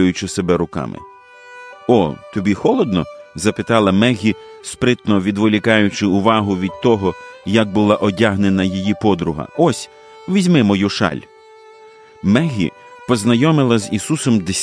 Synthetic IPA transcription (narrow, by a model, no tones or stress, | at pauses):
ujʊt͡ʃɪsebɛɾʊkɑ̰mɪ̰ | ɔt̪ɔbʲixɔlˠɔd̪nɔzɐpɪt̪ɑlˠɐmɛɦʲi | spɾɪt̪nɔʋʲid̪ʋɔlʲikɑjʊt͡ʃɪʊʋɑɦʊʋʲid̪̚t̪ɔɦɔjɐk̚bʊlˠɑʔɔdʲaɦne̞nɐjijipɔd̪ɾʊɦɐ̰ɔsʲ | ʋʲizʲmɪmɔjuʃɑ̰lʲ | mɛɦʲḭ | pɔznɐjɔmɪlˠɐzisusɔmd̪esʲ